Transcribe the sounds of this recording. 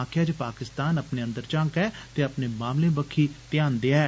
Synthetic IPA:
aːkʰɪjaːd͡ʒəpaːkɪst̪aːnəpneːə̃nd̪əɾt͡ʃãːkɛːt̪eːəpneːmaːmlẽːbəkʰːiːt̪ɪjaːnd̪eaɦɛː

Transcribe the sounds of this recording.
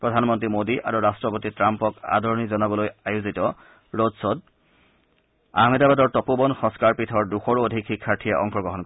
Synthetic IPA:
pɹɔdʱanmɔntɹimodiʔa̰ɹuɹastɹɔpotitɹampɔka̰dʱɔɹɔnizɔnabɔlojajuzitɔ | ɹodsɔd̚ | a̰ɦmedabadɔɹtɔpobɔnxɔ̃ŋskaɹpitʰɔɹduxɔɹodʱikxikʰːaɹtʰiɛʔɔ̰ŋxɔɡɹɔɦɔnk

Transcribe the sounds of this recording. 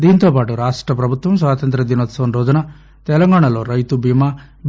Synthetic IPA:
d̪iːnit̪oːpaːʈuɾaːʂʈɾɐpɾɐbʱut̪ʋɐmsʋaːt̪ɐnt̪ɾɐd̪inɐt̪sɐnɾoːd͡ʒɐnɐ | t̪ɛlɐŋɡaːɳ̃ɐlo̞ːɾɐjt̪ubʱimaː | b

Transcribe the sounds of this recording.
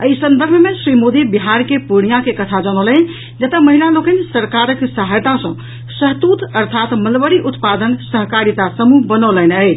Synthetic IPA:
əjsə̃nd̪əɾbʱmesɾimod̪ibiɦaɾkepuɽijakekət̪ʰad͡ʒəñolən | d͡ʒət̪aməɦilalokənsəɾkaɾəksaɦajt̪ãsə̃ | səɦt̪ut̪əɾt̪ʰat̪məlbəɽiʔut̪pad̪ənsəɦkaɾit̪asəmuɦbənɔlənət͡ʃʰ

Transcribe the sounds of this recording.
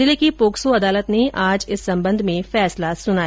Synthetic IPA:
ɪlikipoːksoɐd̪aːlət̪neʔaːd͡ʒɪsːɐ̃mbə̃nd̪ʱmẽfɛːslasʊnaː

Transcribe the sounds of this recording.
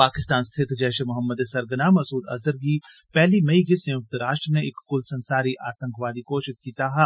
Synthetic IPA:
paːkɪst̪aːnst̪ʰɪt̪ʰd͡ʒɛːʃemʊɦəmːəd̪esɐɾɡənaːmɐsuːd̪ɐ̰zəɾɡiː | pɛɦlimɐikesɐj̃ʊk̚t̪əɾaːʃʈɾəneɪkːʊlsɐ̃nsaːɾiʔaːt̪ə̃ŋkʰʋaːd̪ikoːʃɪt̪̚kiːt̪aɦɛ

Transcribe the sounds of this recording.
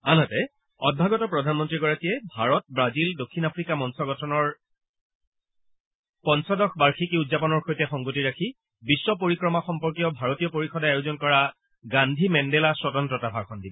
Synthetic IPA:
anɦɔtɛ | ɔ̰d̚bʱaɡɔtɔpɹɔdʱanmɔntɹiɡɔɹakijɛbʱaɹɔt̚bɹazildokʰːinapʰɹikamɔnsɔɡɔtʰɔnɔɹ | pɔnsɔdɔkʰbaɹxʰikiudzapɔnɔɹxojtɛxɔŋɡotiɹakʰi | bisːɔpoɹikɹɔmaxɔmpɔɹkiɔbʱaɹotijɔpoɹixɔdaajuzɔnkɔɹa | ɡandʱimɛndɛlaswɔtɔntɹɔtabʱakʰɔndibɔ

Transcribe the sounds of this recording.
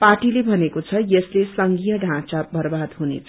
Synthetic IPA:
paʈilebʱʌnekot͡sʰʌjʌslesʌŋɡijʌɖʱãt͡sabʱʌrbad̪ɦunḛt͡sʰʌ

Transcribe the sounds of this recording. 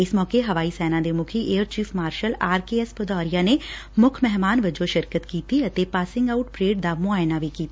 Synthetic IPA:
ɪsmɔːkeɦɐʋaːisɛːnãd̪emʊkʰieːəɾt͡ʃiːfʰmaːɾʃəlaːɾkeːɛspəd̪ɔːɾijanemʊkʰmɛɦmaːnʋɐd͡ʒoʃɪɾkət̪kiːt̪iɐt̪epaːsɪ̃ŋɡaʊʈpɾeːɖd̪amʊaːjnaʋikiːt̪a

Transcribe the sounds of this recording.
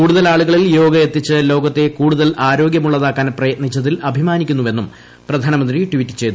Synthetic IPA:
kuːɽuðɐlaːɭuɣɐɭiljo̞ːɡɐjet̪ːit͡ɕːɨlo̞ːɡɐt̪ːe̞kuːɽuðɐlaːɾo̞ːɡjɐmuɭːɐðaːkːaːnprɐjɐt̪̚nit͡ɕːɐðilʔɐbʱimaːnikʲːunːuʋe̞nːum | prɐd̪ʱaːnɐmɐnd̪riʈʋitːɨ̥t͡ɕe̞jt̪u

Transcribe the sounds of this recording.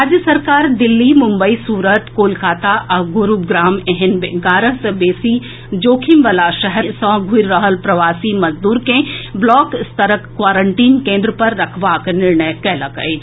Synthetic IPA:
ɾaːd͡ʒjəsɐɾkaːɾd̪ɪlːimʊ̃mbəisuːɾət̪koːlkaːt̪aʔɐɡʊɾuːbɡɾaːmɛɦɪnbɡaːɾəɦsɐbeːsi | d͡ʒoːkʰimʋɐlaʃɐɦɛsɔ̃ɡʱuɾːəɦəlpɾɐʋaːsimɐzd̪uːɾkẽblɔːkɪst̪əɾəkːʋaːɾəɳʈiːnkẽːnd̪ɾəpɐɾːɐkʰʋaːknɪɾɳəjkɛːlɐkə̰i

